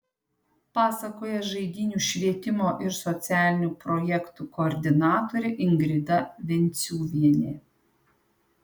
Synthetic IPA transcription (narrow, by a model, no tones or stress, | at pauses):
pɑːsɐkoːjɛʒɐɪd̪ʲɪnʲuːʃʲʋʲiɛt̪ʲɪmoːʔɪɾsɔt̪sʲæːlʲɪnʲuːpɾɔjɛkt̪ukoːɾʲd̪ʲɪnɑːt̪oːɾʲeʔɪŋɡɾʲɪd̪ɐʋʲɛnʲt̪sʲuːʋʲiɛnʲḛː